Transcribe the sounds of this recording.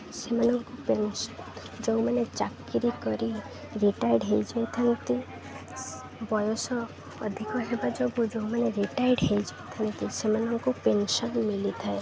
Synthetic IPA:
semanɔŋkupensɔ | d͡ʒɔwmanet͡ʃakːiɾikɔɾi | ɾiʈajɖɦejd͡ʒɔjt̪ʰant̪i | bɔjosɔː | d̪ʱikɔɦebad͡ʒɔbud͡ʒɔwmaneɾiʈajɖɦejd͡ʒɔjt̪ʰant̪isemanɔŋkupensɔnmilit̪ʰae

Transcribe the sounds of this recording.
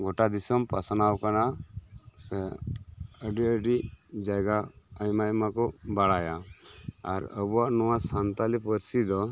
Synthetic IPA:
ɡɔʈad̪isɔmpasanawkana | sɛ | əɖiəɖid͡ʒajɡa | ajmajmakɔbaɽajaː | ɾə̰buaʔnɔwasant̪alipəɾsid̪ɔ

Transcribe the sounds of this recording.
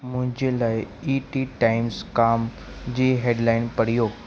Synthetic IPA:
m̤ʊ̃ɦɪ̃ɲd͡ʑelajiʈiʈajmskam | d͡ʑiːɦeɖlainpəɽ̤ijo

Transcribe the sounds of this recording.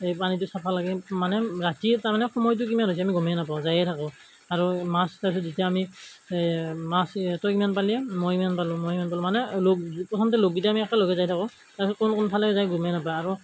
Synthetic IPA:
ejpanit̬ʊsapʰalaɡɛmanɛɹatitaɹmanɛxɔmɔjt̬ʊkimanɦojs̬iamiɡɔmɛnapaʊ̃zajɛtʰakɔ̃ | aɹumastaɹpʰis̬ɔtzitiaami | mastɔjkimanpaliɛmɔjmanpalʊmɔmanpalɔmanɛlokpɹɔtʰɔmtɛloɡ̚ɡitaamiɛkaloɡɛzajtʰakɔ | taɹpisɔt̚kʊnkʊnpʰalɛzajɡumɛnapajaɹu

